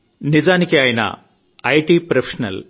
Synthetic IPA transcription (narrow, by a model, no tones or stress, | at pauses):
nid͡ʒaːnikiaːjinɐ̰ | ɐjʈiːpɾɐpʰeʂɐnɐ̰l